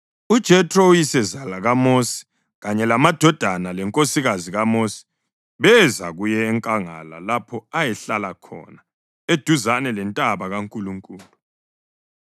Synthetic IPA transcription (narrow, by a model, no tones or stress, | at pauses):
ud̥ʒ̥ʱɛtʰʼrɔujisɛzalaɣamosi̥ | ɣaɲɛlamad̥ʱɔd̥ʱanalɛŋkʼosiɣaziɣamosi̥ | βɛza̰ɣujɛːŋkʼaŋa̰la̰lapʰɔajɛɬalakʰɔ̰na | ed̥ʱuzanɛlɛntʼaβaɣaŋkʼuluŋkʼuːlu